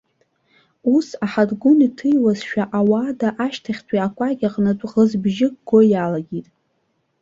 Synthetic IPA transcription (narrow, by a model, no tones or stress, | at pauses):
usaħadɡʷʊnitʰɨjwazʃᶣaʔawaːdaʔaʃtʰaχʲtʰʼiakʷʼaɡʲaqʼnatʼʁəzbʒɪɡɡojalaɡʲitʼ